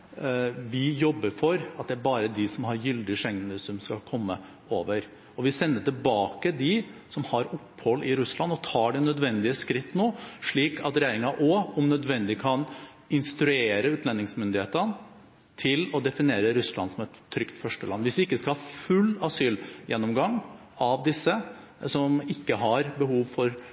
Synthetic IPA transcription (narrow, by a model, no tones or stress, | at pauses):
ʋɪjɔbːəɾfɔɾɑt̪̚d̪ɛæɾbɑːɾəd̪ɪsɔmhɑɾjʏld̪ɪʂɛŋːnəsɔmskɑlkʰɔmːə | oːʋəɾ | ɔʋɪsɛnːəʈ̪ɪlbɑːkəd̪ɪsɔmhɑɾʊpːhɔlːɪɾʉslɑnːɔt̪ʰɑːɖɛnœd̪ʋɛnd̪ɪəskɾɪt̪ːnoːʂɭiːkʰɑt̪ɾɛjeːɾɪŋɑʔɔɔmnœd̪ʋɛnd̪ɪkʰɑn | ɪnst̪ɾʉeːɾəʉːt̪nlɛnːɪŋsmʏnd̪ɪheːt̪ən | t̪ʰɪlɔd̪ɛfɪneːɾəɾʉslɑ̰nsɔmɛt̪ʰːɾʏkt̪fœʂʈəlɑ̰nːʋɪsʋɪɪkːəskɑhɑfʉlːɑsyːljɛnːɔmɡɑŋːɑʋd̪ɪsːə | sɔmɪkːəɦɑɾbəhuːʋfɔɾ